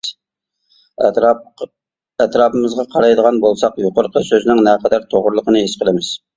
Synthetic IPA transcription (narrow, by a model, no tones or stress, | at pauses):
ɛt̪ɾɑːpɨmɨzʁɑqʰɑɾɑjd̪əʁɑnbolˠsɑqjoqəɾqʰəsøzɪnɪŋnɛqʰɑd̪æɾt̪ʰoʁʊɾlˠəqənɨesqʰəlˠɪmɪz̥